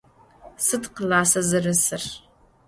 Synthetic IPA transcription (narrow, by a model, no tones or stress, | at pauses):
sɨdqəlaːsɐzɐrɨsɨr